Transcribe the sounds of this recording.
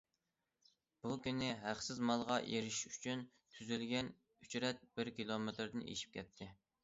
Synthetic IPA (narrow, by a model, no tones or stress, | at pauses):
b̥ukʲynɪɦæχsɪzmɑlˠʁɑʔeɾɪʃy̥t͡ʃʰyn | t̪ʰyzylɡʲɛn | yt͡ʃɾɛt̪̚b̥ɪɾkʲilˠomet̪ɾd̪ɪnḛʃi̥p̚kʲʰɛt̪ʰːɪ